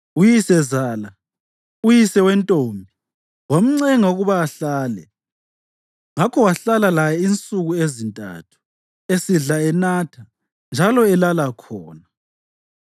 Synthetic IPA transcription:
ujisɛzaːla | ujisɛwɛntʼoːmbʱi | wam̩ŋ͡ǀɛŋauɣuβaːɬaːlɛ̰ | ŋakʰɔwaɬalalajɛint͡sʼuɣuezintʼa̰tʰu̥ | esiɮaɛnatʰa | nd͡ʒʱalɔɛlalakʰɔːna

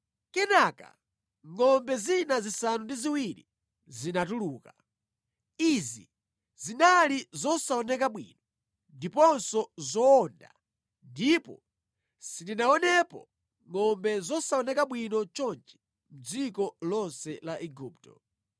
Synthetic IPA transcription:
kɛnaka̰ | ŋɔmbɛzinazisanundiziwilḭ | zinatuluːka | izḭ | zinalizɔsaɔnɛkaɓwḭnɔ | ndipɔnsɔzɔːnda̰ | ndipɔ̰ | sitinaɔnɛpɔ̰ | ŋɔmbɛzɔsaɔnɛkaɓwinɔt͡ʃɔnt͡ʃɛ̥ | m̩d͡zikɔlɔnsɛlaʔɛɡuːptɔ

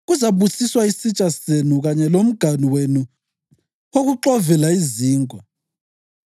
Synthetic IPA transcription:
ɣuzaβusiswaisit͡ʃʼasenuɣaɲɛlom̩ɡ̥ʱaniwenu | oɣuǁɔvɛlaiziːŋʱʼɔ

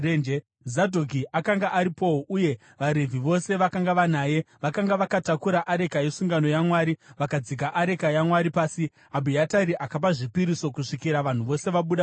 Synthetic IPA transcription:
end͡ʒe | zadʱokiʔakaŋɡaʔaɾipo̞oʔuje̞ | ʋaɾe̞vʱiʋo̞se̞ʋakaŋɡaʋanaːje̞ʋakaŋɡaʋakatakuɾaʔaɾe̞kaje̞suŋɡano̞jamwaːɾiʋakad͡zikaʔaɾe̞kajamwaɾipaːsi | abʱijataɾiʔakap̬aʐipiɾiso̞kuʂikiɾaʋan̤uʋo̞se̞ʋaɓuɗa

